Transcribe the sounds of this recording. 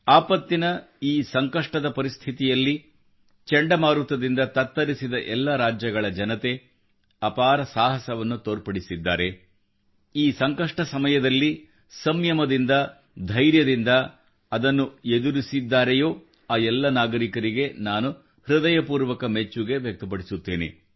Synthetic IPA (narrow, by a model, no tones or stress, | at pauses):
aːpɐt̪ːinɐ | iːsɐŋkɐʂʈɐd̪ɐpɐɾist̪ʰit̪ijɐlːi | t͡ʃɛɳɖɐmaːɾut̪ɐd̪ind̪ɐt̪ɐt̪ːɐɾisid̪ɐʔɛlːɐɾaːd͡ʒjɐɡɐɭɐd͡ʒɐnɐt̪e̞ | ɐpaːɾɐsaːɦɐsɐʋɐnːut̪oːɾpɐɽisid̪ːa̰ːɾe̞ | iːsɐŋkɐʂʈɐsɐmɐjɐd̪ɐlːi | sɐmjɐmɐd̪ind̪ɐ | d̪ʱɐjɾjɐd̪ind̪ɐ | ɐd̪ɐnːued̪uɾisid̪ːaːɾejoː | aːɛlːɐnaːɡɐɾikɐɾiɡe̞naːnu | hɾud̪ɐjɐpuːɾʋɐkɐmet͡ʃːuɡe̞ʋjɐk̚t̪ɐpɐɽisut̪ːeːnḛ